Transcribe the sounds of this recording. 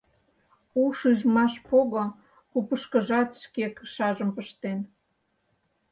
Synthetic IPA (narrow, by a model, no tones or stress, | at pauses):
uʃyʒmɑʃpoɣo | kupəʃkə̆ʒɑt̪ʃkekʃɑʒəmpəʃt̪en